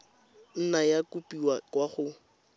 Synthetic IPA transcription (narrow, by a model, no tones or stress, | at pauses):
n̩najakupiwakʼwaχʊ